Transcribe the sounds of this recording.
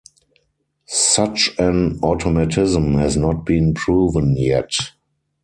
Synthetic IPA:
sat͡ʃɛ̃nɔtʰɔmatʰɪzə̃mhɛznɔt̚b̥ĩːnpʰɹuːvə̃njɛt

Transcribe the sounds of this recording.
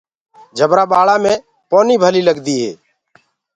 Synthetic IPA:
d͡ʒʱəbɾaːɓaːɭaːmẽː | poːniːbʱəliːləɡd̪iːɦḛː

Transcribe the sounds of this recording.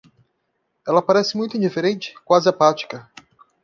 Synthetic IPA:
ɛlɐpaɾɛsɪmũj̃t̪ʊĩd͡ʒifeɾẽnt͡ʃɪ̥kwazɪɐpat͡ʃi̥kɐ

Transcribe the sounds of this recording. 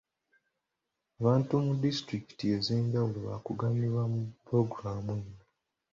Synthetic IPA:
aβaːntumudistɾiki̥tie̞ze̞ːɲɟawuloβa̰kuɡaniβwamupɾo̞ɡuɾaːmena

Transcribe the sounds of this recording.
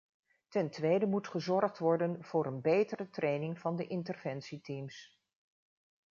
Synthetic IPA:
tɛntʋejdəmutχəzɔrχtʋɔɹdənv̥ʊːɾənbejtərətrʔejnɪŋv̥ɑndəʔɪntərv̥ɛnsitims

